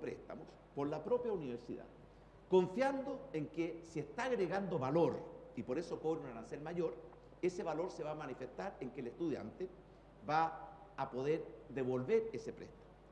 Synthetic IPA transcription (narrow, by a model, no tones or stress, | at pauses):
pɾḛst̪a̰mos | poɾlapɾo̞pjauniβeɾsḭða̰ | ko̞ɱfjand̪oeŋkesiest̪aːɣɾeɣand̪oβaloɾipo̞ɾeso̞ko̞βɾeunaɾanse̞lmaʝo̞ɾ | e̞seβalo̞ɾseβaːmanife̞st̪aɾeŋkeːlest̪uðja̰nt̪e | βaːpo̞ð̞eɾd̪eβo̞lβeɾesepɾḛst̪ḁmoo